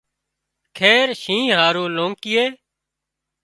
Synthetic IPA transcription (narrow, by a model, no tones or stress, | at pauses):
kʰeːɾʃĩːɦaːɾũːlõːŋkɪːeː